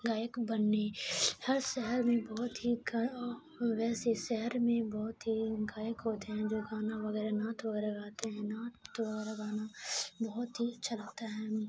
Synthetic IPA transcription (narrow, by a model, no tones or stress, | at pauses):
ɡaːjəkbənːehɐɾʃɛɦəɾmẽbɔɦʊt̪ɦiɡ | ʋɛːseʃɛɦəɾmẽbɔːt̪ɦiɡaːjəkɦoːt̪eɦɛ̃d͡ʒoːɡaːnaʋɐɡɛːɾenaːt̪ʋəɡɛːɾeɡaːt̪eɦɛ̃naːoɛɾaɡaːnabɔɦʊt̪ɦit͡ʃʰɐlat̪aɦɛː